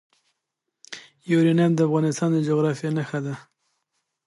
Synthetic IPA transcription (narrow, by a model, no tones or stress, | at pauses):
juɾinamd̪əafɣɑnɪst̪ɑnd̪əd͡ʒoɣɾɑfjenaxad̪a